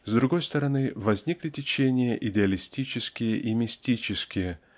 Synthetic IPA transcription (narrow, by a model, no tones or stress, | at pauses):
zd̪ɾʊɡo̞jst̪əɾɐnɨvɐzʲnʲiklʲɪtʲɪt͡ɕenʲɪjəʔɪdʲɪɐlʲɪsʲtʲit͡ɕɪskʲɪjəʔimʲɪsʲtʲit͡ɕɪskʲɪjə